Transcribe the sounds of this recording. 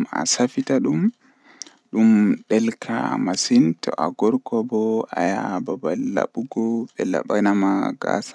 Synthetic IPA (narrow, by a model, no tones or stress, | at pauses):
ma̰safitaɗum | ɗumɗɛlkʰa̰masintʰɔ̰ʔaɡɔɾkɔbɔa̰jababalːa̰ɓuɡɔɓɛla̰ɓanamaɡa̰sḁ